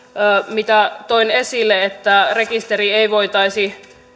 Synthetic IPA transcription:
əːmit̪æt̪oinesilːeet̪ːærekist̪erieiʋoit̪ɑisi

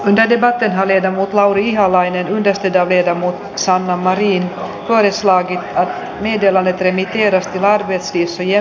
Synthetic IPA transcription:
ɵnd̪əɖɛbat̪ːənɦaɭeːd̪amuːt̪lawɾɪiɦalajnənɵnd̪əʂt̪øːd̪ɑːʋleːd̪amuːt̪ | sanːamaɾiːn | fœːɾəslɑːɡɪt̪at̪ | meːd̪eːland̪ət̪ɾɛmɪt̪eːɾast̪ʰɪlaɾbɛt̪sviːsɔjɛ

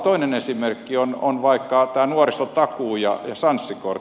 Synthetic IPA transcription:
t̪oinenesimerkːiono̰nʋɑikːɑt̪æːnuorisot̪ɑkuːjɑ̰jɑsɑnsːikor

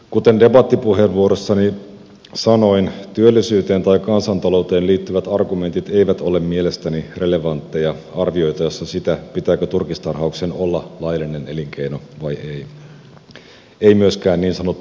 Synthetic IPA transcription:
kut̪e̞nde̞bɑt̪ːipuɦe̞ʋʋuoɾo̞sːɑni | sɑno̞int̪yølːisyːt̪e̞ːnt̪ɑjkɑnsɑnt̪ɑlo̞wt̪e̞ːnliːt̪ːyʋæt̪ɑrɡume̞nt̪it̪e̞iʋæt̪o̞le̞mmielest̪ænire̞le̞ʋɑnt̪ːejɑɑrʋio̞jt̪ɑjo̞sːɑsit̪æpit̪æːkøt̪urkist̪ɑrɦɑuksenolːɑlɑjɑlːine̞ne̞liŋk̟e̞jno̞ʋɑjej | eimyøskæːnniːnsɑnot̪ː

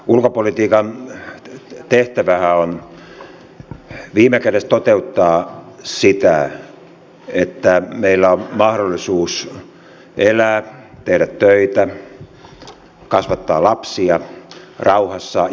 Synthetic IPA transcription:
ulkopolit̪iːkɑn | t̪eht̪æʋæhæon | ʋiːmekæɾest̪ot̪eut̪ːɑːsit̪æ | et̪ːæmeilːæommɑhɾolːisuːs | elæːt̪ehdæt̪tøit̪æ | kɑsʋɑt̪ːɑːlɑpsiɑrɑuhɑsːɑ

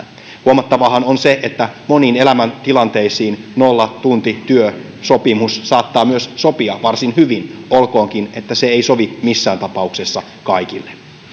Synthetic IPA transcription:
huomɑt̪ːɑʋɑɦɑnonseʔet̪ːæmo̞niːne̞læmænt̪ilɑnt̪e̞isiːnnolːɑt̪unt̪it̪yø | sopimussɑːt̪ːɑːmyøsso̞piɑʋɑrsinhyʋinolko̞ːŋkine̞t̪ːæseeiso̞ʋimisːæːnt̪ɑpɑuksesːɑ | kɑikilːe

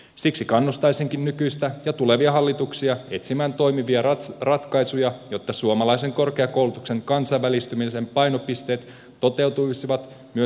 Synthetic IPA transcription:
siksikɑnːust̪ɑjsiŋkinnykyjst̪æjɑt̪ule̞ʋiɑɦɑlːit̪uksiɑe̞t̪simæːnt̪o̞jmiʋiɑrɑt̪kɑjsujɑjo̞t̪ːɑsuomɑlɑjse̞ŋko̞rkeɑko̞wlut̪ukse̞ŋkɑnsɑjʋːælist̪ymise̞mpɑjno̞pist̪e̞ːt̪ː | o̞t̪e̞wt̪ujsiʋɑt̪ | myø

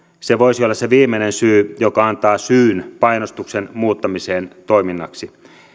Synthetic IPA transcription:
seʋoisiolːɑsseʋiːmːenensyːjokɑɑnt̪ɑːsyːnpɑjnost̪uksenmuːt̪ːɑmiseːnt̪oiminːɑksi

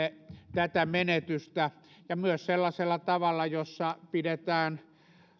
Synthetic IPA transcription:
et̪æt̪æmenet̪yst̪æ | jɑmyøsselːɑselːɑt̪ɑʋɑlːɑjosːɑpidet̪æːn

